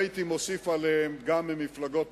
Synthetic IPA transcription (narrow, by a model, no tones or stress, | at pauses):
it̪imosifalehemɡamːimiflaɡo̞t̚